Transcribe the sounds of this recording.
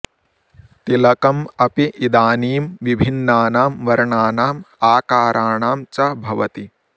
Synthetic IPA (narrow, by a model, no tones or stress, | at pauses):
t̪ilɐkɐmɐpiʔid̪aːniːmʋibʱinːaːnaːmʋɐɾɐɳaːnaːmaːkaːɾʔaːɳaːmt͡ʃɐbʱɐʋɐt̪i